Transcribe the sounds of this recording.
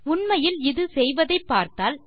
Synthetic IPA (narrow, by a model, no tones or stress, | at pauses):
ʊɳmɐjɪlɪðɯsɛjʋɐðɐɪpːaːɾt̪aːl